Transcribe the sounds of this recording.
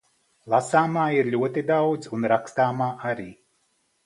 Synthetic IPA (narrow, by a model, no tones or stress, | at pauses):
lˠasaːmaːiɾʎʲuɔt̪id̪awd̪zunɾakst̪aːmaːʔaɾiː